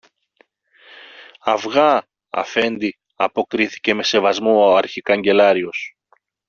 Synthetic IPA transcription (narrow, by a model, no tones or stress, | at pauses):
ɐvɣɐ | ɐ̰fe̞nd̪i | ɐpo̞kɾiθi̥ce̞me̞se̞vɐzmooɐɾçikɐɲɟe̞lɐɾio̞s